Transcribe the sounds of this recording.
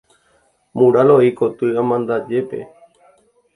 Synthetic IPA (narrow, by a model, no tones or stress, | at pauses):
mũɾaloikot̪ɨamãnd̪ad͡ʒe̞pe̞̰